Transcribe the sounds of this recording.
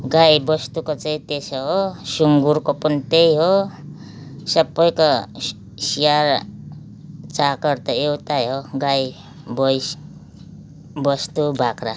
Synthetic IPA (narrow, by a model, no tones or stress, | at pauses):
ɡajbʌst̪ukot͡saĩt̪esʌɦosuŋɡuɾkopʌnit̪ejɦo | sʌbːʌjko | sijar | t͡sakʌɾt̪ʌewt̪aɦoɡaj | bʌjs | bʌst̪ubʱakra